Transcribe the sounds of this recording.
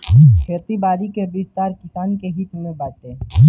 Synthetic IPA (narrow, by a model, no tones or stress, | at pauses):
kʰeːt̪ibaːɾikebɪst̪aːɾkɪsaːnkeɦɪt̪mẽbaːt̪e